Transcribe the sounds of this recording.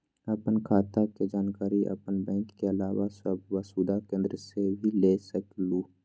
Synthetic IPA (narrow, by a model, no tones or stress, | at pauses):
ɐpənkʰaːt̪aked͡ʒaːnkaːɾiʔɐ̰pənbɛ̃ːŋkːeɐlaːwasəbʋəsuːd̪akẽːnd̪ɾəsebʱilesəkluː